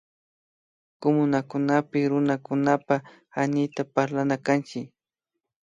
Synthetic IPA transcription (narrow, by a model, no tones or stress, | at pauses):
komʊnakʊnapɪɾʊnakʊnapa | anɪt̪apaɾlanakant͡ʃɪk